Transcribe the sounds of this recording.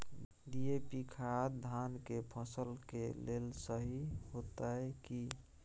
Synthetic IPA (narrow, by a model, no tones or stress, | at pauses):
d̪iepikʰad̪ʱankepʰəsəlkelelsəɦiɦot̪aeki